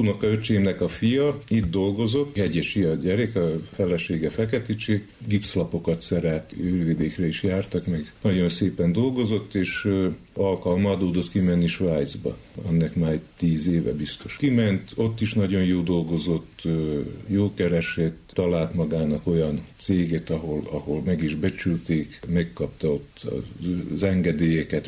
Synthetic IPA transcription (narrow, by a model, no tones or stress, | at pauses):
uːnokɒøt͡ʃeːmnɛkɒfijɒid̪d̪o̞lɡo̞zo̞tt̪ːɛɟɛʃijɒɟɛɾɛkɒfɛlɛʃeːɡɛfɛkɛt̪it͡ʃe | ɡipslɒpokɒt̪sɛɾɛt̪øːrvid̪eːkrɛiʃjaːrt̪ɒkmɛɡnɒɟo̞nseːpɛnd̪o̞lɡo̞zo̞t̪ːeːʃ | ɒlkɒlmɒːd̪oːd̪ot̪kimɛnːiʃʋaːjd̪zbɒ̰ɛ̰nːɛkmaːɾɛɟt̪iːzeːvɛ̰bist̪o̞ʃkimɛnt̪o̞t̪ːiʃnɒɟo̞njoːd̪o̞lɡo̞zo̞t̪ːjoːkɛɾɛʃɛt̪t̪ɒlaːlt̪mɒɡaːnɒko̞jɒnt̪seːɡeːt̪ɒɦo̞lɒho̞lmɛɡiʒbɛt͡ʃylt̪eːkmɛkːɒpt̪ɒo̞t̪ːɒ̰zɛŋɡɛd̪eːjɛkɛt̪